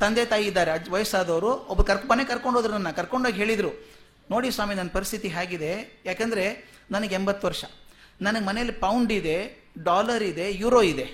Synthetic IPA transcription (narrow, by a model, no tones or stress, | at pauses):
t̪ɐnd̪et̪aːjiːd̪ːaːɾeɐʋɐjɐsaːd̪ɐʋɾuɔbːɐɾkɐɾmːɐnekɐɾko̞ɳɖoːd̪ɾunɐnːɐkɐɾko̞ɳɖoaːɡɦeːɭid̪ɾu | no̞ːɽisʋaːminɐnːɐpɐɾist̪ʰit̪iɦaːɡid̪e̞jaːkɐnd̪ɐɾe̞ | nɐnɐɡeembɐt̪ːʋɐɾʂɐnɐnɐɡemɐnejɐlːipɐwuɳɖid̪e̞ | ɖaːlɐɾid̪e̞juːɾoːid̪e